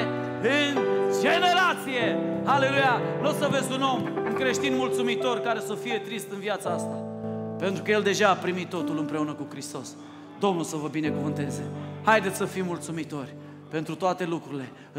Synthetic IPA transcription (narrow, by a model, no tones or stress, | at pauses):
ɨnd͡ʒe̞ne̞ɾat̪sije̞hale̞lujanosəve̞zʲuno̞muŋkɾe̞ʃt̪inmult̪sumit̪o̞rkaɾe̞səfije̞t̪ɾist̪ɨnviat̪saast̪ape̞nt̪ɾukəje̞ld̪e̞ʒaːpɾimit̪ːo̞t̪ulɨmpɾe̞unəkukɾist̪o̞s | d̪o̞mnulsəvəbine̞kuvɨnt̪e̞zehajd̪e̞t̪sʲsəfijmult̪sumit̪o̞rʲ | pe̞nt̪ɾut̪oat̪e̞lukɾuɾile̞